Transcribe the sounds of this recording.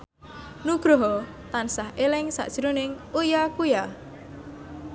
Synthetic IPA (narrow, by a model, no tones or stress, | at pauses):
nuɡ̥ɾɔɦɔ | t̪ansaɦelɪŋsa̰ʔʒ̥ɾunɪŋ | ujakuja